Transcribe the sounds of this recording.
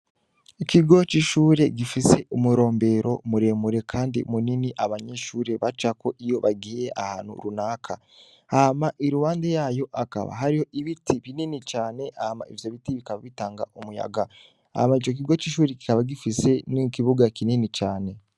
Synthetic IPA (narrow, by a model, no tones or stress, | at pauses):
ikiɡo̞t͡ʃiʃuːɾe̞ɡifise̞umuɾo̞ːmbe̞ɾo̞muɾe̞ːmuɾe̞kʰaːndḭmuniniʔaβaɲe̞ʃuːɾe̞βat͡ʃako̞ʔijo̞βaɡijeʔahaːn̥hṵɾunaːkʰa | ahamaʔiɾuwaːndejaːjo̞ʔaka̰βa̰ɦaɾiho̞ʔiβitiβininit͡ʃaːne̞ʔahama̰ivjo̞βitiβikaβaβitaːŋɡa̰ʔumuja̰ɡa | a̰hamait͡ʃo̞k̬iɡo̞t͡ʃiːʃuːɾeki̥kaβaɡifise̞nikiβuɡakininit͡ʃaːne̞